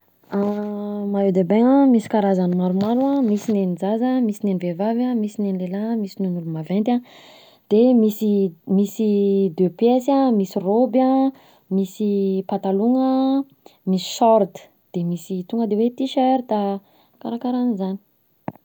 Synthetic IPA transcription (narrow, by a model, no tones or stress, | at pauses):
amaed̪ebeŋamisi̥kaɾazanimaɾumaɾuãmisinenid͡zazəmisinenivevavamisinenlelamisinunulumavent̪ʲa | d̪̥emisimisid̪øpjesamisiroba | misipat̪aluŋə | misi̥sɔɾt̪ə̥ | d̪̥emisit̪uŋɡəd̪ewet̪iʃøɾd̪a | kaɾakaɾanizani̥